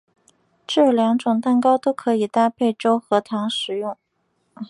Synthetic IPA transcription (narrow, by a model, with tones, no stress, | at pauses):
ʈ͡ʂɤ˥˩ljɑ˧˥ŋʈ͡ʂʊ˨˩ŋt̪a˥˩nkɑ˥ʊt̪o˥ʊkʰɤ˧˥i˨˩t̪a˥˧pʰe˥˩ɪʈ͡ʂo˥ʊxɤ˧˥t̪ʰɑ˧˥ŋʂɻ̩˨˩jʊ˥˩ŋ